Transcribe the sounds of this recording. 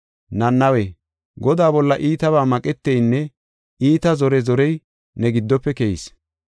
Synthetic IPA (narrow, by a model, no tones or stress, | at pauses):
nɐnːɐwɛ | ɡɔd̪aːbɔlːɐʔiːt̪ɐbaːmɐkʼɛt̪ːɛjnːɛ | iːt̪ɐzɔɾɛzɔɾɛj | nɛɡɪd̪ːɔpːɛkɛjḭs